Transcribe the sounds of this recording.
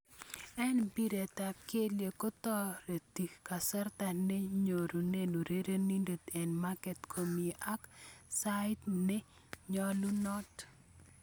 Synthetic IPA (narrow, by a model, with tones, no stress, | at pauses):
ɛ˦nbi˦ɾe˨ta˨ke˦lje˨ko˦t̪ɔ˦ɾe˨t̪i˨kka˨sɛ˦rt̪a˨ne˦ɲo˨ɾu˨ne˦nu˨ɾe˦ɾe˦ni˦nde˨t̪e˨nma˦kɛ˨t̪kʰo˨mi˨ʔa˦ksaɪ˦tnɛ˦ | ɲɔ˦lu˦nɔ˦t